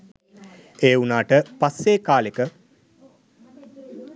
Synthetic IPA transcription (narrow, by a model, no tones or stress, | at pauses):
eːunaːʈəpasːeːkaːlekə